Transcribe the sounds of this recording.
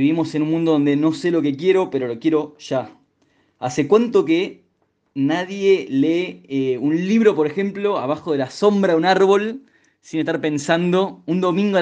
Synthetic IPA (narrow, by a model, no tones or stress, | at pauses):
iβimo̞se̞nũnmũnd̪oo̞nd̪eno̞selo̞ke̞kje̞ɾo̞peɾo̞lo̞kje̞ɾo̞ʃa | asekwant̪oke | naðje̞leunliβɾo̞poɾexe̞mplo̞a̰β̞axo̞ðe̞laso̞mbɾaunaɾβo̞l | sinest̪aɾpe̞nsand̪o̞und̪o̞mĩŋɡoa